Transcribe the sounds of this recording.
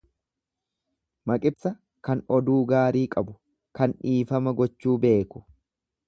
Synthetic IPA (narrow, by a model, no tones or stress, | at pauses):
mɐkʼɪbsɐ | kɐnɔd̪uːɡaːɾiːkʼɐbʊ | kɐnᶑiːfɐmɐɡɔt͡ʃːuːbe̞ːkʊ̥